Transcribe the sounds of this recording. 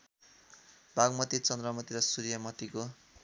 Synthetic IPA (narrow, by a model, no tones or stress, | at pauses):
bʱaɡmʌt̪it͡sʌnd̪rʌmʌt̪iɾʌsuɾjʌmʌt̪iko